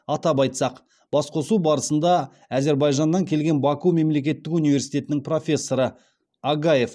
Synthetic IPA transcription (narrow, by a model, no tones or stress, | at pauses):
ɑt̪ɑpɑjt̪sɑq | b̥ɑsqʰo̞subɑɾəsənd̪ɑ | æze̞ɾbɑjʒɑnːɑŋkʲʰe̞lɡʲe̞nbɑkume̞mle̞k̬ʲe̞t̪ːɪkunijvʲe̞ɾsijt̪e̞t̪ɪnɪŋpro̞fʲe̞sːo̞ɾə | aɡaje̞f